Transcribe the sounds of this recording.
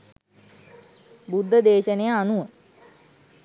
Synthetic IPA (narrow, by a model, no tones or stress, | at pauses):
bud̪ʱːəd̪eːʃənejəanuʋə